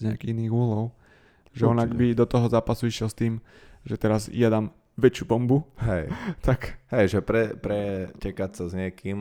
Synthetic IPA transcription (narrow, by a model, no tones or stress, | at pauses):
ɲɪakiiiniːɣuːɦlɔʊ | ʒɛɔnaɡbid̪ɔt̪ɔɦɔzaːpasuiʃɪɛlst̪iːm | ʒɛt̪ɛɾazjad̪aːm | ʋɛt͡ʃɪuːbɔmbuɦɛjt̪ʰakɦɛjʒɛpɾɛpɾɛcɛkasazɲɪɛkʰiːm